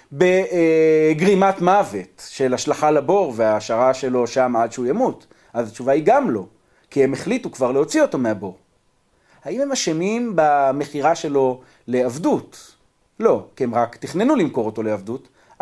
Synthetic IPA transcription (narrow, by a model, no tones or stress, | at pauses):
be | ɡʁimatmave̞tʃe̞laʃlaχalabo̞ʁveaːʃaʁaʃe̞lo̞ʃamʕadʃeujamut | ʔazat͡ʃuvaiɡamlo̞ | kihe̞me̞χlitukvaʁleo̞t͡sio̞tomeabo̞ʁ | haimhe̞maʃemimbame̞χiʁaʃe̞lo̞ | le̞avdut | lo̞kiemʁakt̪iχne̞nulimko̞ʁo̞to̞leavdut